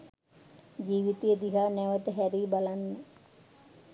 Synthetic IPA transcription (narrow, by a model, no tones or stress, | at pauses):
d͡ʒiːʋit̪ijəd̪iɦanɛʋət̪əɦɛɾiːbalanːə